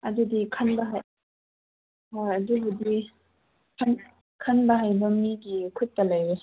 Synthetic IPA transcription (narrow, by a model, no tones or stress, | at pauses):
ʔɐdudikʰɐnbɐɦaj | aɐdubudi | kʰɐn | kʰɐnbɐɦajbɐmiɡikʰutːɐlaje